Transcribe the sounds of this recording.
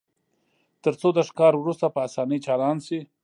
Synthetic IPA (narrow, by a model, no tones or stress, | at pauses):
t̪əɾt͡sod̪əʂkɑɾwɾust̪apəasɑnəjt͡ʃɑlɑnsi